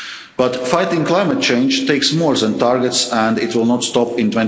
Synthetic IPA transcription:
b̥ʌt̪faɪt̪ɪ̃ŋklˠaɪmət̪̚t͡ʃẽɪ̃nd͡ʒt̪eɪksmoɹzæ̃nt̪ɑɾɡɛt̪sæ̃nd̪ɪt̪wɪlˠnɔt̪st̪ɔpɪ̃nt̪wɛ̃n

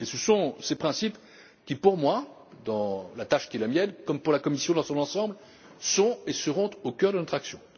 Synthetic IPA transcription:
esəsɔ̃sepχɛ̃sip | kʲipuʁmwa | d̪ɑ̃lat̪aʃkʲiɛləmjɛnkɔmpuʁlakɔmisjɔ̃d̪ɑ̃sɔ̃nɑ̃sɑ̃bl | sɔ̃esəʁɔ̃t̪okʲœʁd̪ənɔt̪ʰχaksjɔ̃

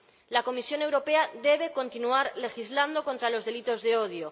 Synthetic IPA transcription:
lako̞misjo̞ne̞wɾo̞pe̞aðe̞β̞e̞ko̞nt̪inuaɾle̞xizland̪o̞ko̞nt̪ɾalo̞zðe̞lit̪o̞zðe̞o̞ð̞jo

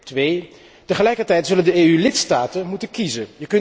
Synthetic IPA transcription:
tʋej | təχəlɛjkəɹtɛjtzɵləndəeːylɪtstaːtənmutənkizənjəkɵn

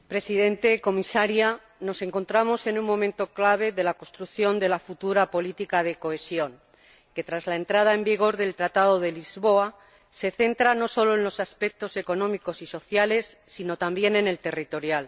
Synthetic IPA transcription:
pɾe̞siðe̞nt̪e̞ko̞misaɾja | no̞se̞ŋko̞nt̪ɾamo̞se̞nuŋmõ̞mẽnt̪o̞klaβ̞e̞ðe̞lako̞st̪ɾukθjo̞nd̪e̞lafut̪uɾapo̞lit̪ikaðe̞ko̞e̞sjo̞ŋ | ke̞t̪ɾazlae̞nt̪ɾað̞ae̞mbiɣ̞o̞ɾðe̞lt̪ɾat̪aðo̞ðe̞lizβo̞a | se̞θe̞nt̪ɾano̞so̞lo̞enlo̞saspe̞k̚t̪o̞se̞ko̞nõ̞miko̞siso̞θjale̞sːino̞t̪ambje̞ne̞ne̞lt̪e̞rit̪o̞ɾjal

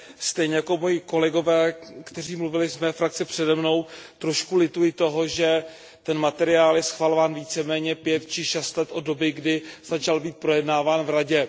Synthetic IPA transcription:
st̪ɛjɲɛjako̞mo̞jɪko̞lɛɡo̞vɛːkt̪ɛriːmluvɪlɪzmɛːfɾak̚t͡sɪpr̝̥ɛdɛmno̞wt̪ɾo̞ʃkulɪt̪ujɪt̪o̞ɦo̞ʒɛ | t̪ɛnmat̪ɛɾɪaːljɛsxvalovaːnviːt͡sɛmɛːɲɛpjɛt̪t͡ʃɪʃɛst̪lɛt̪ʔo̞do̞bɪɡdɪz̥at͡ʃalbiːt̪̚pɾo̞jɛdnaːvaːnvɾaɟɛ

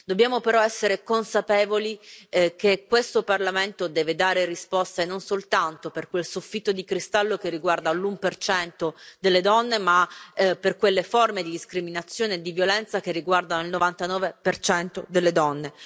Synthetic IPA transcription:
d̪obːjaːmopeɾɔɛsːeɾekonsapeːvolikekːwest̪oparlament̪od̪ɛːved̪aːɾerispɔst̪enonsolt̪ant̪operkwelsufːit̪ːod̪ikɾist̪alːokerːiɡward̪alumpert͡ʃɛnt̪od̪elːed̪ɔnːemaperkwelːeformed̪id̪iskɾiminat̪sːjoːneːd̪ivjolɛnt̪sak̟erːiɡward̪anoilnovant̪anɔːvepert͡ʃɛnt̪od̪elːed̪ɔnːe

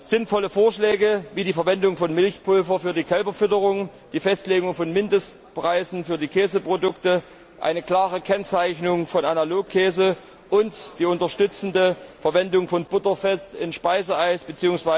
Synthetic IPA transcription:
z̥ɪnfɔləfoːɐʃlɛːɡəviːdiːfɛɐvɛndʊŋfɔnmɪlçpʰʊlfɐfyːɐdiːkʰɛlbɐfʏtəʁʊŋ | d̥iːfɛstleːɡʊŋfɔnmɪndəst | pʁ̥aɪzn̩fyːɐdiːkʰɛːzəpʁ̥odʊktə | ʔa̰ɪnəkl̥aːʁəkʰɛnt͡saɪçnʊŋfɔnanaloːkʰːɛːzə | ʔʊntd̥iːʊntɐʃtʏt͡sn̩dəfɛɐvɛndʊŋfɔnb̥ʊtɐfɛstɪnʃpaɪzəaɪsb̥ət͡siːʊŋsv̥aɪ

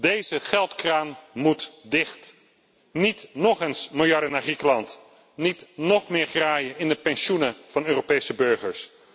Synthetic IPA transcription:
dejzəχɛlˠtkraːnmutdɪχt | nitnɔχənsmɪlˠjɑɹdənaːɹχrikəlɑnt | nitnɔχmɪːɹχraːjəɪndəpɛnʃunəv̥ɑnøːropejsəbɵɹχəɹs

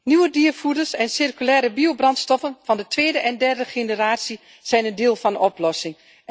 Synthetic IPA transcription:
nywədiːərfudərsɛnsɪrkylɛːɾəbiobrɑntstɔfənfɑndətʋeːdəʔɛndɛrdəxenəraːtsi | z̥ɛjnəndɪːlˠfɑnɔplɔsɪŋ

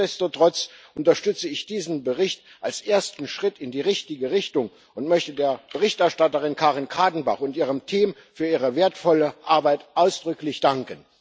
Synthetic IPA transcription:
ɛstotʁ̥ɔt͡sʔʊntɐʃtʏt͡səɪçd̥iːzn̩bəʁɪçt | ʔalsʔeːɐstn̩ʃʁ̥ɪtʰɪndiːʁɪçtɪɡəʁɪçtʊŋ | ʊntmœçtədeːɐb̥əʁɪçtɛɐʃtatəʁɪnkʰaːʁɪnkʰaːdn̩ba̰χʊntiːʁ̞əmtʰiːm | fyːɐiːʁəveːɐtfɔləʔaɐbaɪtʔaʊsd̥ʁʏklɪçd̥aŋkən

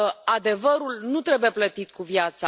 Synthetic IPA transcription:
ad̪e̞vəɾulnut̪ɾe̞buje̞plət̪it̪kuvjat̪sa

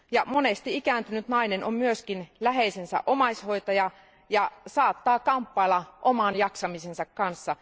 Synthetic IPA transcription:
jɑmonest̪iikæːnt̪ynyt̪nɑinenommyøskinlæɦeisensæ̰ʔomɑsʲho̞it̪ɑjɑ | jɑsɑːt̪ːɑːkɑmpːɑilːɑʔomɑnjɑksɑmisensɑkkɑnsːɑ

